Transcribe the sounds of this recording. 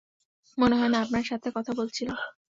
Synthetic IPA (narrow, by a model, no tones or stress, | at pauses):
moneɦɔenaapnaɾʃat̪ʰekɔt̪ʰabolt͡ɕʰilam